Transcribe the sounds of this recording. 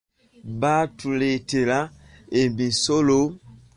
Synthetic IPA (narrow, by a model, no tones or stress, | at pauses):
batuletela | embisolo